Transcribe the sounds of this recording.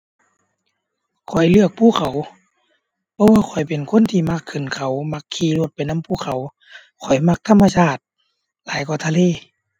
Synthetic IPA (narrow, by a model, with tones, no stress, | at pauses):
kʰɔ˨˩jlɯ˧˩ək̚pʰuː˧˩˨kʰa˨˩w | pʰɔ˧˥waː˧kʰɔ˨˩jpe˨˩nkʰo˧˥˨nt̪ʰiː˧˩maː˧˩kʰːɯ˧˩˨nkʰa˨˩wma˧˥kʰːiː˧˩lu˧˦t̪̚pa˨˩jna˧˥˨mpʰuː˧˩kʰa˨˩w | kʰɔ˨˩jma˧˥k̚t̪ʰa˧˥˨mːa˧sʰaː˧˩t̪̚ | laː˨˦jkɔ˧˩t̪ʰa˧leː˧˨